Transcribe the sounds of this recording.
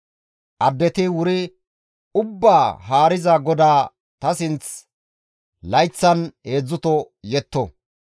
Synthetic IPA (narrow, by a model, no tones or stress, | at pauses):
ʔɐd̪ːɛt̪ɪwʊɾɪ | ʊbːaːɦaːɾɪzɐɡɔd̪aː | t̪ɐsɪnt͡s | lɐjt͡sːɐnhe̞ːd͡zːʊt̪ɔ | jɛt̪ːɔ̰